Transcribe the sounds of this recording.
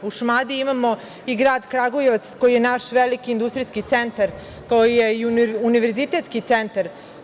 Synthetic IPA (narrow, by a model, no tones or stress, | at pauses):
uʃmad̪iimamo̞ | iɡɾaːd̪kɾaɡojeʋat̪skojije̞naʃʋelikiːnd̪ust̪ɾiskit̪sent̪aɾ | koojijeiuuniʋeɾzit̪et̪skit̪se̞nt̪aɾ